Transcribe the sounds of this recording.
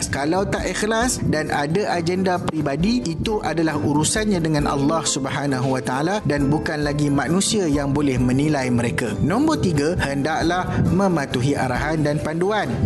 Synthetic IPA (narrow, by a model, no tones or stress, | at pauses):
kalawt̪aʔɛxlasdanʔadaʔad͡ʒɛndapɾibadiit̪uʔadalahuɾusanɲãdəŋãna̰lːɑhsubəɦanãɦuwat̪aaladanbukanlaɡimãnũsiajaŋbolɛhmə̃nilajmə̃ɾekanɔ̃mbɔt̪iɡahəndaʔlahmə̃mãt̪uɦia̰ɾa̰ɦandanpanduan